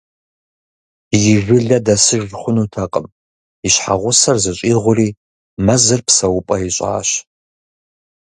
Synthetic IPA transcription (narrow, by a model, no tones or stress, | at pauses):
jɪʒʷɪɮɐdɐsɨʒʷχʷʊnuːtʰɐqʼəm | iɕħa̰ʁʷʊsɐrzɨɕʼiːʁʷʊriː | mɐzɨrpʰsɐwʊpʼɐjiɕʼa̰ːɕ